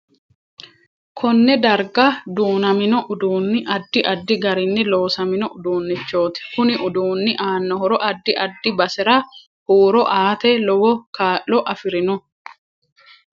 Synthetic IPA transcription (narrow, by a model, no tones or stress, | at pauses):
kʰɔnːɛd̪ɐɾɡɐd̪uːnɐmɪnɔʔʊd̪uːnːɪʔɐd̪ːɪʔɐd̪ːɪɡɐɾɪnːɪlo̞ːsɐmɪnɔʔʊd̪uːnːɪt͡ʃːo̞ːt̪ɪ̥kʊnɪʔʊd̪uːnːɪʔaːnːɔhɔɾɔʔɐd̪ːɪʔɐd̪ːɪbɐsɛɾɐ | huːɾɔʔaːt̪ɛlɔwɔkʰaːʔːɔʔɐfɪɾɪnɔ